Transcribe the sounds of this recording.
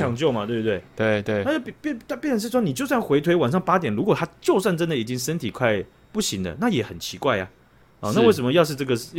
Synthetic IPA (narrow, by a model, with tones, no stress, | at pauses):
ɑ˨˥ŋt͡ɕjo˥˩ʊmɐ˨t̪we˥˩bu˥t̪we˥˩ɪwe˥˩ɪt̪we˥˩a˥˧o˥˧˨pɛ˥t̪pjɛ˥˩nd̪ə˩ʂ̬ɻ̩˥˩ʂwɔ˥ni˨˩t͡ɕjo˥˧ʊswa˥˩nxwe˧˥ɪt̪ʰwe˥ɪwa˨˩nʂɑ˥˩ŋpa˥t̪jɛ˨˩nɻu˧˥kwɔ˨˩t̪ʰa˥t͡ɕjo˥˧ʊswa˥˩nʈ͡ʂə˥nd̪ə˨i˨˩t͡ɕi˦˥ŋʂə˥nt̪ʰi˨˩kʰwa˥˧ɪ | pu˥˩ɕi˧˥ŋd̪ə̰˧na˥˩jɛ˨˩xə˨˩nt͡ɕʰi˧˥kwa˥˩ɪja̰˨˩ | ɔ˧˦na˥˧we˥˩ɪʂ̬ə˧˦mə˧jɑ˥˧ʊʂɻ̩˥˧ʈ͡ʂɤ˥˩ɡə˩